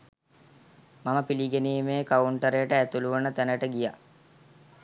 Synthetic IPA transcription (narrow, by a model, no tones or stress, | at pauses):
maməpiliɡeniːmeːkauɳʈəɾejəʈəæt̪uluʋənət̪ænəʈəɡija